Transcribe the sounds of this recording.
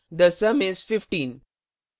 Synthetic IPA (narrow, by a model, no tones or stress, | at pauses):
d̪əsɐmɪzfɪfʈĩːn